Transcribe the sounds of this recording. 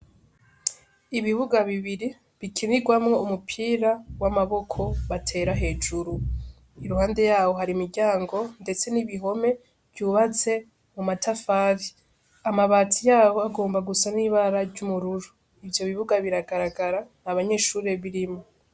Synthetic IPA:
iβiβuɡaβiβiɾi | βikʰiniɡwamŋeumupʰiːɾawamaβo̞kʰo̞βatʰe̞ːɾaɦe̞ːd͡ʒuɾu | iɾuhaːnde̞jaːho̞ɦaɾimiɾɟaːŋɡo̞nde̞t͡se̞niβiɦo̞me̞ | v̥juːβat͡se̞ | mumatʰafaːɾi | amaβaːtʰijaːβo̞aɡo̞ːmbaɡusaniːβaɾaɟumuɾuɾu | ivjo̞βiβuɡaβiɾaɡaɾaɡaɾanaβaɲe̞ːʃuːɾe̞βiɾimo

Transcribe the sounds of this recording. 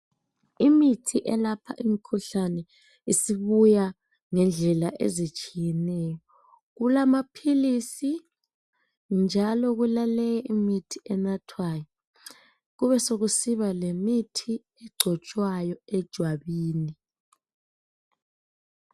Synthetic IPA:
imitʰiʔɛlapʰa̰ʔimikʰuɬanɛ | isiβuja | ŋɛnd͡ɮʱɛlaʔḛzit͡ʃʼijɛnɛːjɔ | ɣulamapʰilisi | nd͡ʒʱalɔɣulalɛjɛʔimitʰi̥ʔɛnatʰwajɔ | ɣuβɛsoɣusiβalemitʰi | ɛɡ͡ǀʱɔt͡ʃʼwajɔɛd̥ʒ̥ʱwaβiːni

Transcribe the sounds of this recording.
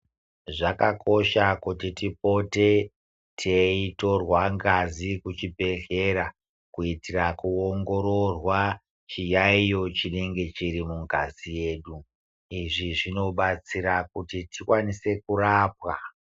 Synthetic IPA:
ʐakakʰo̞ʃakutitipo̞te̞ | tʰeito̞rwaŋɡazikut͡ʃibʱe̞ɬe̞ɾa | kuitirakuoŋɡo̞ɾo̞rwa | t͡ʃijaijo̞t͡ʃine̞ŋɡe̞t͡ʃiɾimuŋɡazije̞ːɗu | iʐiʐino̞ɓat͡siɾakutitikwanise̞kuraːp̚wa

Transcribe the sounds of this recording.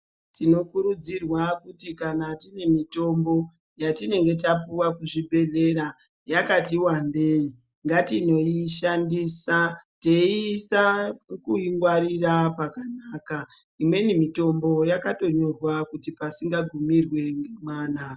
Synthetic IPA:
tino̞kuɾud͡zirwakutikanatine̞mito̞mbo̞ | jatine̞ŋɡe̞t̬ap̬uwakuʐibʱe̞ɮe̞ɾa | jakatiwandeːi | ŋɡatino̞iʃandisateisakuiŋɡwaɾirapakanaːka | imwe̞nimito̞mbo̞jakato̞ɲo̞rwakutipasiŋɡaɡʱumirwe̞ŋɡemwaːna

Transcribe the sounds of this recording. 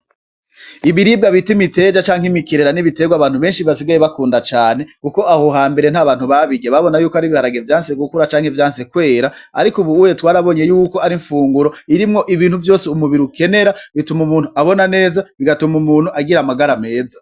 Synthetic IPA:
iβiɾibɡaβitimite̞d͡ʒat͡ʃaːŋ̥himikiɾeɾaniβite̞ɡwaβaːn̥huβe̞ːnʃiβasiɡajeβakuːndat͡ʃaːne̞kuko̞ʔahoɦaːmbe̞ɾen̥haβaːn̥huβaβiɡeβaβo̞najuːkoaɾiβihaɾaɡevjaːnseɡukuɾat͡ʃaːŋhevjaːnse̞kwe̞ːɾaa̰ɾikuβuujetwaːɾaβo̞ɲe̞juːkoaɾiɱfuːŋɡuɾo̞iɾimŋo̞ʔiβiːnhuvjo̞ːseumuβiɾuke̞ne̞ɾaβitumumuːnhuaβo̞nane̞ːzaβiɡatumumuːnhuʔaɡiɾamaɡaɾame̞ːza

